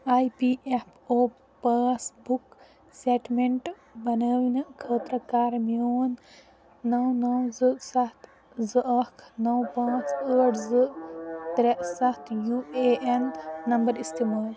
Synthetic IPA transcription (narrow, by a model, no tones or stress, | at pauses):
aːjpiepʰoː | pɐːsbuk | seːʈmeɳʈ | bɐnəːʋinɐkʰəːt̪ɾɐkaːɾmijoːnː | ɐwnɐwzɨsɐt̪ | zɨʔɐkʰnɐwpaːsəːʈzɨʔt̪ɾeʔsɐt̪ʰjueenːɐmbɐɾist̪imaːl